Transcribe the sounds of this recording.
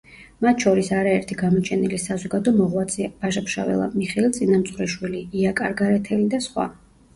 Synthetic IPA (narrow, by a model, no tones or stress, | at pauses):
mat̪ʰʃɔɾisaɾaɛɾt̪ʰiɡamɔt͡ʃʰɛnilisazɔɡad̪ɔmɔʁwat̪sʰʼib̥aʃapʰʃa̰vɛ̰lˠa̰miχɛilˠt̪sʼinamt̪sʼwɾɛʃwiliiakʼaɾɡaɾɛt̪ʰɛlid̪asχwa̰